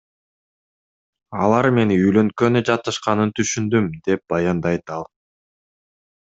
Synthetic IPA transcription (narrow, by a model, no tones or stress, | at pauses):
ɑlˠɑɾme̞niyjlø̞ŋkønyd͡ʒɑt̪ːɯʃqɑnɯnt̪ʰyʃynd̪ymd̪e̞p̚bɑjɑnd̪ɑjt̪ɑlˠ